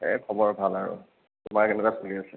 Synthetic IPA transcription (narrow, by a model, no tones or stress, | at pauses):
ɛ̰kʰɔbɔɹbʱalaɹṵ | tʊmaɹkɛnɛkasoliasɛ